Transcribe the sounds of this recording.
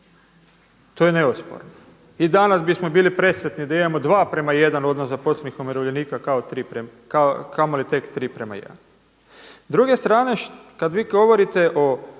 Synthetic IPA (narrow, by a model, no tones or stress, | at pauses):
t̪ojene̞uspo̰ɾno | id̪anasbismobiːlipɾe̞sʋet̪nid̪aimamod̪ʋaːpɾe̞maje̞d̪ano̞d̪nosaposlenixomiɾoʋʎe̞niːkakaot̪ɾi | akamolit̪e̞kt̪ɾiːpɾema̰jḛdn | zd̪ɾuɡe̞st̪ɾaːne̞ʃkad̪ʋiːɡo̞ʋo̞ɾit̪e̞ʔo